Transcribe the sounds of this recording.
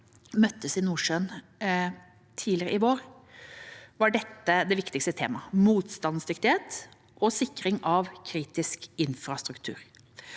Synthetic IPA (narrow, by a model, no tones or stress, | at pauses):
mœt̪ːəsɪnuːʂøːn | t̪ʰiːlɪɾə̰ʔɪʋoːɾ | ʋɑɖɛt̪ːəd̪ɛʋɪkt̪ɪkst̪ət̪ʰḛːmɑmuːt̪st̪ɑnsd̪ʏkt̪ɪheːt̪ | ʔɔsɪkːɾɪŋʔɑʋkʰɾiːt̪ɪskɪnfɾɑst̪ɾʉkt̪ʰʉ̰ːɾ